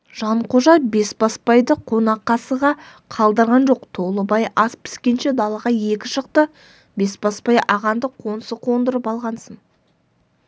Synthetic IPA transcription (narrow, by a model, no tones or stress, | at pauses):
ʒ̥ɑɴqʰo̞ʒɑbe̞sbɑspɑjd̪əqʰo̞nɑqːɑsəʁɑ | qʰɑlˠd̪əɾʁɑnʒo̞qt̪ʰo̞lˠəbɑjʔɑspʰɪ̥skʲe̞nʃed̪ɑlˠɑʁɑje̞kʲɪʃəqt̪ə | be̞sbɑspɑjʔɑʁɑnd̪əqʰo̞nsəqʰo̞nd̪əɾəpɑlˠʁɑnsən